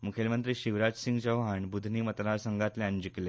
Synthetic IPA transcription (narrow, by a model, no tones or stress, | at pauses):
mukʰelmənt̪ɾiːɕiʋɾad͡ʑsiŋɡt͡ɕəʋɦaɳbud̪ʱniːmət̪ɾaɾsəŋɡat̪leəɲd͡ʑikle